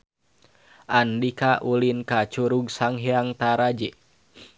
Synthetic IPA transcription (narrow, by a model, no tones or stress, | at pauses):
ʔandikaʔulinkat͡ʃuɾuɡsaŋɦeaŋt̪aɾad͡ʒɛ